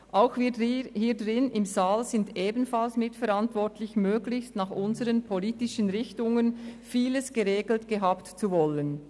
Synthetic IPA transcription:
ʔʔaʊxviːhiːdʁɪnɪmzaːlzɪndʔeːbən̩falsmɪtfɛɾantv̥ɔtʰlɪçmøːɡlɪçstnɑχʔʊnzəʁənpʰoliːtɪʃənʁɪçtʊŋənfiːləsɡ̥əʁeːɡl̩tɡ̥əɦaːptt͡suvɔlən

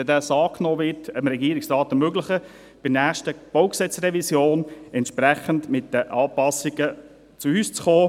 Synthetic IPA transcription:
ɛdæːsɑːkʰnoːʋɪtəmɾɛɡiːəɾɪksrɑːtəmøɡləχə | b̥ɪnæːχʃtəb̥oʊksɛt͡srɛvisjoːnɛntʃpɾæχəndmɪtd̥əʔɑːpɑsiɡə | t͡suyːst͡sχoː

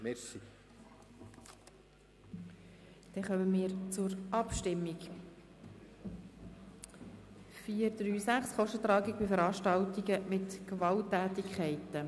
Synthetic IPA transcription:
mɛsi | d̥ɛχœməmiːɾt͡sʊɾʔɑpʃtɪmːiɡ | fiːəɾd̥̪ɾyːsæχsχɔʃtət̪ɾɑːɡiɡ̚bifəɾɑːʃtɑltiɡəmɪtkvɑltːæːt̪ikʰχɛɪtə

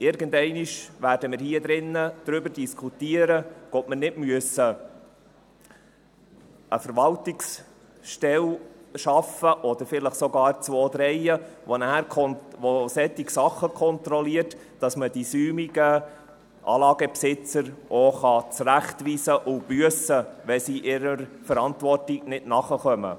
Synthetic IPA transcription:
ɪɾɡəndɛɪniʃʋæːɾdəmɪːɾhiəd̪ɾɪnːəd̥ɾʏbəɾd̥iskʰutiəɾəɡ̥ɔtmənɪdmyəsə | ə̰fəɾʋɑltɪks | ʃtɛlʃɑfəʔɔd̥̪əɾfɪləχsɔɡɑːɾt͡svoːd̪ɾɛɪəʋonæːɾkʰɔnʋosɛtːɪksɑχːəkʰɔntɾɔliərt | d̥ɑsmədisyːmiɡə | ʔɑ̰ːlɑːɡ̥əpsɪt͡səɾʔoχɑt͡sræχtʋiːsəʔʊb̥yəsəʋɛsiːʔɪɾəɾfəɾɑntʋɔrtɪɡ̥nɪdnɑχəχœmə̰

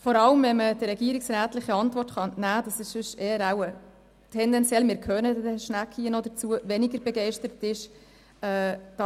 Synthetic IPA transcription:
fɔɾɑləmvɛməd̥əɾɛɡiəɾiksɾæːtlɪχəɑntvɔrtχɑnæːd̥ɑsɪʃsʏʃeːəɾawə | tʰɛndɛnt͡sjɛlmɪɾkʰœnəddɛʃnækʰiənɔd̪ət͡suəvɛniɡəɾbɛɡeɪʃtəɾətɪʃ | ɛːd̥ɑ

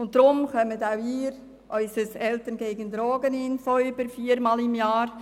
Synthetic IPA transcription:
ʊnt̚d̥ɾʊmχœmətawiːɾ | ʔɔʏsəsɛltənɡeːɡəndɾɔːɡənɪnfɔʏbəɾfiːɾmɑːlɪmjɑːɾ

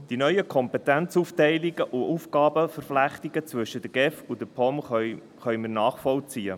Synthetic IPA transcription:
d̥inœʏəkʰɔmpɛt̪ɛnt͡suftɛɪliɡ̥əʔuʔufɡɑːbəfəɾflæχt̪iɡət͡svɵʃəd̥̪əɡ̥ɛfʊd̪əpʰɔm | χœɥmənɑːχfɔlt͡siːə

